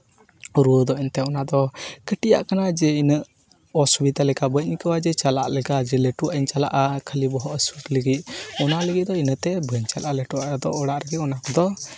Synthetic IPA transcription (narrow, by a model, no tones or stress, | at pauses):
uɾuwəd̪ɔɛnt̪ɛɔnad̪ɔkəʈija̰ʔkanad͡ʒɛinəʔ | ɔsubit̪alɛkabəc̚ɲikəwad͡ʒɛt͡ʃala̰ʔlɛkad͡ʒɛlɛʈuaiɲt͡ʃala̰ʔakʰəlibɔɦɔʔəswət̪ləɡit̪̚ɔnaləɡit̪̚d̪ɔinət̪ɛbəɲt͡ʃalʔalɛʈuaʔd̪ɔʔɔɽaʔɾɛɡɛɔnakɔd̪ɔ